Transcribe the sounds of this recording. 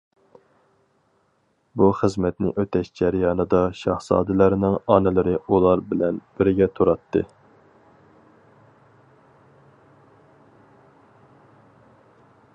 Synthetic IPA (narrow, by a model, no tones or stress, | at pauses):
buχəzmɛt̪nɪ̰ʔøt̪ʰɛʃd͡ʒæɾjɑːnɨd̪ɑʃɑχsɑ̰ːd̪ɪlɪɾnɪŋɑnɪlɪɾɪulˠɑɾbɪlɛnb̥ɪɾɡʲɛt̪ʰuɾɑt̪ʰːɨ̰